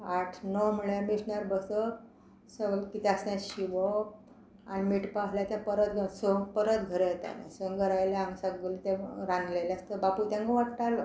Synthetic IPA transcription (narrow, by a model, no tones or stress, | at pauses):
aʈʰnɔmuɭjamisɳaɾbəsə | səɡəlkit̪ɛasnjãɕiʋə | a̰nimiʈpaɦljat̪ãpəɾət̪ɡʱəsəpəɾət̪ɡʱəɾəjet̪a̰nã̰səŋɡəɾajleamsaɡəlt̪ẽɾãnlelast̪əbaput̪ãŋɡəʋaʈʈalo